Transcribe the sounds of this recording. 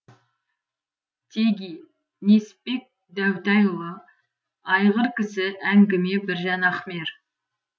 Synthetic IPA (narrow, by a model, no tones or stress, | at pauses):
t̪ʰeɡʲi | ne̞spe̞k̚ | d̪æwt̪ɑjlˠə | ɑjʁəɾkʲɪsɪʔæŋɡʲɪme̞bɪɾʒɑnɑχme̞ɾ